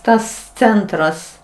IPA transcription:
ˈtɐs ˈt͡sʲɛntrɐs

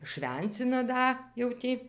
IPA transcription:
ʃʲʋʲɛnʲˈt͡sʲɪnɐ ˈdɐ jɛʊ ˈtʲiː

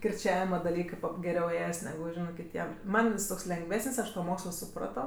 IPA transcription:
kʲɪrʲˈt͡ʃʲæːʋʲɪmɐ dɐˈlʲiːkɜ ɡʲɛˈrʲɛʊ ˈeːjɛs nʲɛˈɡʊ ˈʒʲɪnɜ kʲɪˈtʲiɛm ˈmɐn jɪs ˈtoːks lʲɛŋɡˈʋʲæːsənʲsʲ ˈɐʃ toː ˈmoːkslˠoː sʊˈprɑːtoː

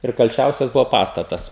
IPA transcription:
ɪr kɐlʲˈt͡ʃʲɛʊsʲɛs ˈbʊʋoː ˈpɑːstɐtɐs

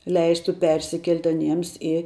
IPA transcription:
ˈlʲɛɪstʊ ˈpʲɛrʲsʲɪkʲɛlʲtʲ ɐˈnʲiɛms ɪ

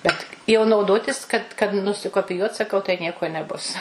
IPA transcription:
ˈbʲɛt jɛʊ nɐʊˈdoːtʲɪs kɐt kɐt nʊsʲɪkoːpʲɪˈjuɔt sɐˈkɐʊ tɐɪ ˈnʲiɛkoː nʲɛˈbʊs

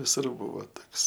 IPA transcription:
ʋʲɪˈsʊr ˈbʊʋoː ˈtoːks

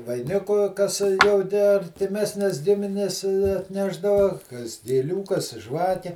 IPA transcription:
ʋɐɪˈnʲɪkʊ kɐs jɛʊ ˈtʲæː ɐrʲtʲɪˈmʲæːsʲnʲɛs ˈɡʲɪmʲɪnʲɛs ɐtʲˈnʲæːʒdɐʋɐ kɐs ɡʲeːˈlʲuː kɐs ˈʒʋɑːkʲɛ

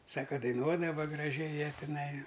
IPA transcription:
ˈsɑːkɐ dɐɪˈnuɔdɐʋɐ ɡrɐˈʒʲɛɪ ˈjiɛ tʲɪˈnɐɪ

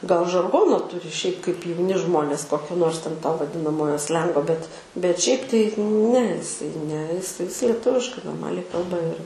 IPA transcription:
ɡɐlˠ ʒɐrˈɡoːnoː ˈtʊrʲɪ ʃʲɛɪp kɐɪp jɛʊˈnʲɪ ˈʒmoːnʲeːs ˈkoːkʲoː ˈnoːrs tʲɛn toː ʋɐˈdʲɪnɐmoːjoː ˈsʲlʲɛŋɡoː bʲɛt bʲɛt ʃʲɛɪp tɐɪ nʲɛ ɪˈsɐɪ nʲɛ ɪs ɪs lʲiɛˈtʊʋʲɪʃkɐɪ noːrˈmɑːlʲɛɪ ˈkɐlˠbɐ ɪr

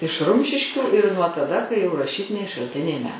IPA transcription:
ɪʃ ˈrʊmʲʃʲɪʃʲkʲuː ɪr nuɔ tɐˈdɐ kɐɪ jɛʊ rɐˈʃʲiːtʲɪnʲɛɪ ʃɐlʲˈtʲɪnʲɛɪ mʲɛ

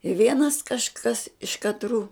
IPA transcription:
ɪ ˈʋʲiɛnɐs kɐʃˈkɐs ɪʃ kɐtˈruː

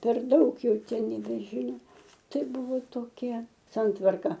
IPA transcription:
pʲɛr ˈdɐʊk ˈjɛʊ nʲɛbʲɛˈʒʲiːnoː ˈtɐɪ ˈbʊʋoː toːˈkʲɛ ˈsɐntʋɐrkɐ

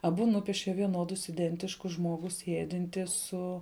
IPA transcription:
ɐˈbʊ ˈnʊpʲiɛʃʲɛ ʋʲiɛˈnoːdʊs ɪˈdʲɛnʲtʲɪʃkʊs ˈʒmoːɡʊ ˈsʲiɛdʲɪnʲtʲɪ ˈsʊ

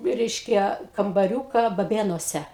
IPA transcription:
ˈrʲɛɪʃʲkʲɛ kɐmbɐˈrʲuːkɐ bɐˈbʲeːnuɔsʲɛ

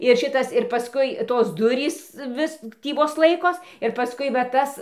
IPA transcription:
ɪr ˈʃʲɪtɐs ɪr pɐˈskʊɪ ˈtoːs ˈdʊrʲiːs ˈʋʲɪs ˈtʲiː ˈʋoːs ˈlˠɐɪkoːs ɪr pɐˈskʊɪ ʋɐ ˈtɐs

